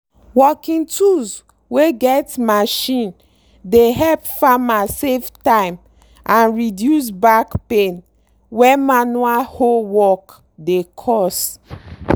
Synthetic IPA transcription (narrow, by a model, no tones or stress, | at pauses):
wɔkĩŋtʰuz | weɡɛtmaʃĩn | deɦɛlpfamaseftãɪ̃m | ʔãnɹidjus̬bakpẽn | wɛmanualhowɔk | dekʰɔs